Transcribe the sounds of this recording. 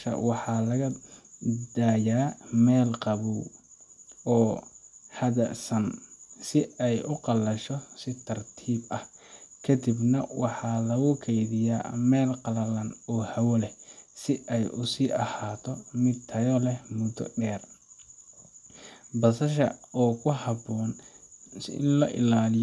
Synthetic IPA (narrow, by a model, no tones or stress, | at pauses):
ʃɐ̰wɑħɑːlɐɣɐ | d̪̥aːjaːmɛːlqɑβuw | ɔːhɐðɐsɐnsɪɛjʔʊqɑlɐʃɔsɪt̪ʰɐrt̪ʰiːbɐh | kʰɐd̪ɪbnɐwɑħɑlɐɣʊkʰɛjðɪja̰ːmɛːlqɑlɐlɐnɔːhɐwɐlɛsɪʔɛjʔʊsiːʔɐhaːt̪ʰɔmɪd̪t̪ʰɐjɔlɛmʊd̪ɔ̰ɖɛːr | bɐsɐʃɐɔːkʰʊɦɑbɔːnsɪ̰nlɔʔɪ̰laːlɪj